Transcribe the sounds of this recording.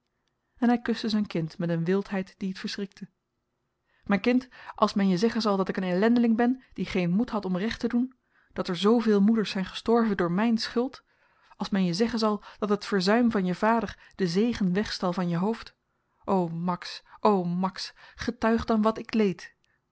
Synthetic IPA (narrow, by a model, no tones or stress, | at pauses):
ɛnɦɛjkɵstəzɛjnkɪntmɛtənʋɪlˠtɦɛjtd̥iɦətfəɹsrɪk̚tʰə | mɛːnkɪntʔɑlˠsmɛnjəzɛχənzɑlˠdɑtɪkənɛlɛndəlɪŋbɛnd̥iχejnmutɦɑtɔmrɛχtədun | d̥ɑtɛɹzowvɪːlˠmudəɹsɛjnχə̥stɔɹvəndʊːɹmɛjnsχʏlˠt | ɑlˠsmɛnjəzɛχənzɑlˠd̥ɑtɦətfəɹzœɥmvɑnjəvaːdəɹ | d̥əzejχənʋɛχstɛlˠvɑnjəɦowft | ʔowmɑksʔowmɑksχətœɥχdɑnʋɑtɪklejt